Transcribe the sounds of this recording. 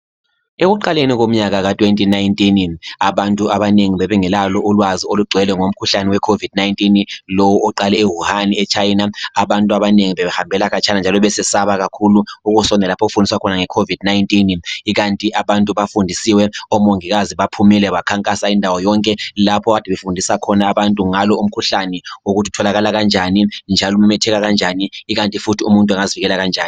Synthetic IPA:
eɣuǃalenik̬om̩ɲak̬ak̬atʼwentʼinajntʼinaɓantʼuʔaɓaneŋiɓɛɓɛŋɛlalɔʔulwazioluɡ͡ǀʱwɛlɛŋom̩kʰuɬanɛwɛkʰovid̥najntʼinlowuʔɔǃalɛeɦuhaniɛt͡ʃʰajinaaɓantʼuaɓaneŋiɓɛβɛhambʱɛlaɣat͡ʃʰanand͡ʒʱalɔɓɛsɛsaβaɣ̬akʰuluuɣusɔnɛlapʰɔɣufundʱiswakʰɔnaŋɛkʰovidnajntʼiniɣantʼiʔaβantʼuβafundʱisiwɛɔmoŋiɣaziβapʰumilɛβakʰaŋkʼasaindʱawɔjɔŋkʼɛlapʰɔβadʰʱiβefundʱisakʰɔnaːβantʼuŋalɔum̩kʰuɬanɛoɣutʰiu̥tʰɔlaɣalaɣand͡ʒʱanind͡ʒʱalɔumɛmɛtʰɛɣaɣand͡ʒʱaniːɣantʼifutʰiumuntʼwaŋaziviɣɛlaɣand͡ʒʱaːni

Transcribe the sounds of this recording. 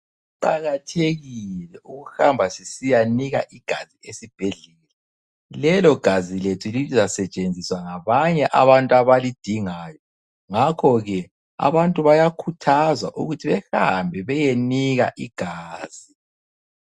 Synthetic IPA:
uǃaɣatʰeɣilɛʔuɣuxambʱasisijaniɣaʔiɡ̥ʱaziesib̥ʱeɮɛlɛ | lɛlɔɡ̥ʱaziletʰuliizasɛt͡ʃʼend͡zʱiswaŋaβaɲɛʔaβantʼaβalid̥ʱiŋajɔ | ŋakʰɔɣɛ | a̰βantʼuβajakʰutʰazwa̰ʔuɣutʰiβɛxambʱɛβɛjeniɣa̰ʔiɡ̥ʱaːz̥i

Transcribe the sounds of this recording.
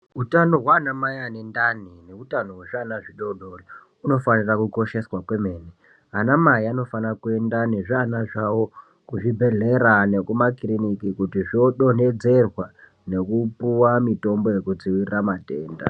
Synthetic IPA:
utano̞ɦwaːnamajanendanine̞utanoweʐanaʐiɗo̞ɗo̞ri | uno̞fanirakuko̞ʃe̞swakwe̞me̞ːne | anamaiano̞fanakue̞ndane̞ʐanaʐawo̞ | kuʐibʱe̞ɮe̞ɾane̞kumakrinikikutiʐioɗo̞ne̞d͡ze̞rwa | ne̞kupuwamito̞mbo̞je̞kud͡ziwirramate̞ːnda̰

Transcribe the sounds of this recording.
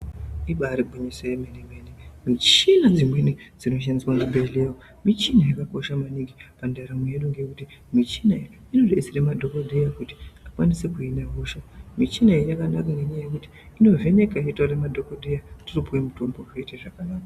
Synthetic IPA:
iɓaɾiɡʱoɲisejemenemenemit͡ʃinad͡zimwe̞nid͡zino̞ʃ̬andiswanzibʱelewo | mit͡ʃinajakako̞ʃamaniɡipandaɾimujeɗuŋɡe̞kuti | mit͡ʃinai | inoɗesiremadʱo̞kodʱejakuti̥akwa̰nise̞kuinaɦoʃamit͡ʃinaijakanakaŋɡe̞ɲaajekuti̥ | ino̞ve̞ne̞kaitwaremadʱo̞kodʱejatiripuwemuto̞mboreteʐakanaːka

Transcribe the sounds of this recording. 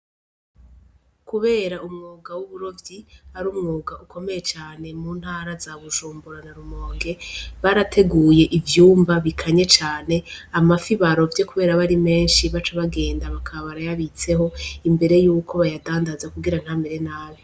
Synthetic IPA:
kuβe̞ːɾaumŋuːɡawuβuɾo̞vjiaɾuːmŋuːɡaʔukʰo̞me̞je̞t͡ʃaːne̞muːn̥haːɾazaβuʒuːmbuɾanaɾumo̞ːŋɡe̞βaɾatʰe̞ɡuje̞ʔivjuːmbaβikʰaɲe̞t͡ʃaːne̞amafiβaɾo̞vje̞kuβe̞ːɾaβaɾime̞ːnʃiβat͡ʃaβaɡe̞ːndaβakʰaβaβaɾajaβit͡se̞ɦo̞imbe̞ɾe̞juːkʰo̞βajadaːndazakuɡiɾan̥hambe̞ɾe̞naːβe

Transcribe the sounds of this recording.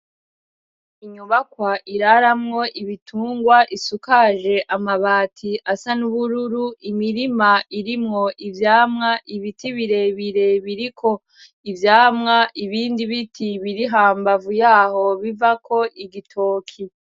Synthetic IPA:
iɲuβakwaʔiɾaɾamŋo̞ʔiβitʰuːŋɡwaʔisukaʒe̞ʔamaβaːtʰiʔasanuβuɾuɾuʔimiɾimaiɾimŋo̞ʔivjaːmŋaʔiβitiβiɾe̞βiɾe̞βiɾikʰo̞ | ivjaːmŋaʔiβiːndiβitʰiβiɾiɦaːmbavujaːho̞βivakʰo̞ʔiɡitʰoːkʰi

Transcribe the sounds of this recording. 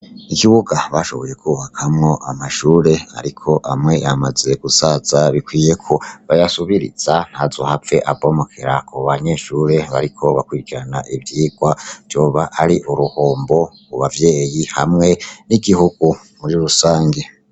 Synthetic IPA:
ikiβuɡaβaʃo̞̰βo̞je̞kʰuβakʰamŋo̞ʔamaʃuːɾe̞a̰ɾikʰo̞ʔamŋe̞ʔamaze̞ɡ̥usaz̥aβikwiːje̞kʰoβajasuβiɾḭz̥an̥hazo̞hafe̞ʔavo̞mokʰeɾakʰoβaɲe̞ːʃuːɾe̞βaɾikʰo̞βakwiːɾikiɾanaʔivjiːɡ̥wavjo̞ːβaʔaɾiʔuɾuhoːmbo̞ | kuβavje̞ːjihamŋe̞niɡihuɡ̥u | muɾiɾusaːŋɡe̞

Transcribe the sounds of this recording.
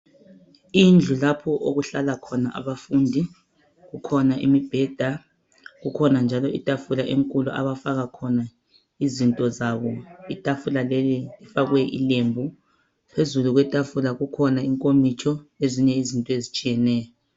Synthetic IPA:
ind͡ɮʱulapʰɔʔoɣuɬalakʰɔnaʔa̰βafundʱi | ɣukʰɔnaʔḭmib̥ʱɛd̥ʱa | ɣukʰɔnand͡ʒʱalɔitʼafulaʔeŋkʼuluʔa̰βafaɣakʰɔna | izintʼɔzaβɔitʼafulalɛlilifaɣwɛʔḭlembʱu | pʰezuluɣwɛtʼafulaɣukʰɔnaiŋkʼomit͡ʃʰɔeziɲɛizintʼɔezit͡ʃʼijɛnɛːjɔ

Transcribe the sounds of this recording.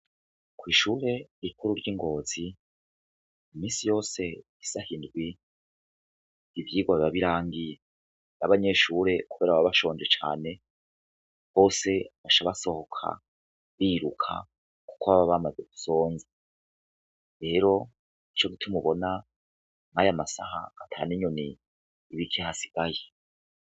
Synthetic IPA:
kwiːʃuːɾe̞ikuɾuɾɟiŋɡo̞ːzi | imiːnsijo̞ːse̞ | isahindɡwi | iβjiːɡwaβiβaβiɾaːŋɡije | naβaɲe̞ʃuːɾe̞kuβe̞ːɾaββaβaʃo̞ːɲd͡ʒet͡ʃa̰ːne̞ | ho̞ːse̞βaʃaβaso̞hokʰa̰ | βiːɾukʰa̰ | ku̥koβaβaβamazeɡu̥so̞ːnze | ɾe̞ːɾo̞ | it͡ʃo̞ɡitʰumuβo̞na | ŋajamasaɦa̰ːtʰa̰ːniɲoniː | βikʰehasi̥ɡ̥aje

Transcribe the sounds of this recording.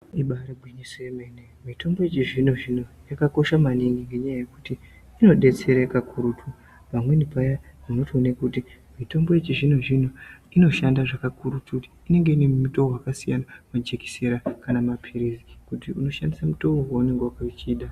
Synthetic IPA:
iɓaɾaɡʱwiɲisojemenemito̞mbo̞jet͡ʃiʐino̞ʐino̞jakako̞ʃamaniŋɡiŋɡe̞ɲajaje̞kutiː | no̞ɗe̞t͡se̞ɾakakʰuɾutʰu | ʋamwe̞nipajamuno̞tionekuti | mito̞mbo̞jet͡ʃiʐino̞ʐino̞ino̞ʃandaʐakakuɾutʰutiine̞ŋɡe̞inemmutoowakasijanamad͡ʒeki̥seɾakanamapʰiɾizikutiuno̞ʃandisamuto̞oɦwauneŋɡowakait͡ʃiːɗa

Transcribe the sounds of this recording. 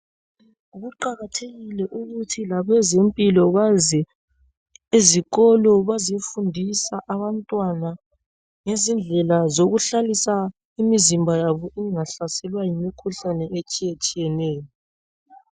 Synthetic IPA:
uɣuǃaɣatʰeɣilɛʔuɣutʰilaβɛzempʼilɔβazɛ | eziɣɔlɔβazifundʱisaʔaβantʼwana | ŋezind͡ɮʱɛlazoɣuɬalisa | imizimbʱajaβɔʔɛŋaɬasɛlwajimikʰuɬanɛʔet͡ʃʼijet͡ʃʼijɛnɛːjɔ

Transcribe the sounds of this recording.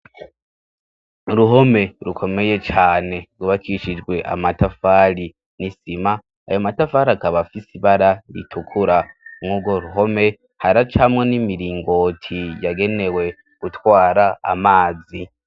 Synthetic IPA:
ɾuɦo̞me̞ɾukʰo̞me̞je̞t͡ʃaːne̞ɡuβakʰiʃid͡ʒɡwe̞ʔa̰matafaɾi | nisima | a̰jo̞matafaɾiakaβafisiβaɾaɾḭtʰukʰuɾamŋuːɡo̞ɾuɦo̞me̞ | haɾat͡ʃamŋenimiɾiːŋɡo̞tʰijaɡe̞ne̞we̞ | ɡ̥utwaːɾaa̰maːzi

